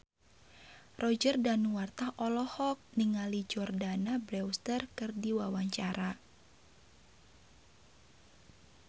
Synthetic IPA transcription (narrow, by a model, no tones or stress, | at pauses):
rɔd͡ʒərdanuwart̪ahʔɔlɔhɔk̚niŋalid͡ʒɔrdanabɾɛwst̪ərkɨrdiwawaɲt͡ʃaɾa